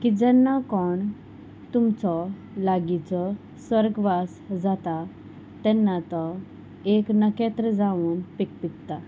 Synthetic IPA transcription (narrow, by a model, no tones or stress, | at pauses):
kid͡ʑɛnːakɔɳ | t̪umt͡sɔ | laɡit͡sɔ | sʋəɾɡʋasd͡zat̪a | t̪ɛ̃nːat̪ɔ | eknəkɛt̪ɾəd͡zaʋuːnpik̚pikt̪a